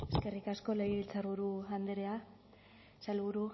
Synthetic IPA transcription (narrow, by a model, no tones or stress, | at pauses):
e̞ske̞rikasko̞lejiβilt͡saɾβuɾuand̪eɾea | salβuɾu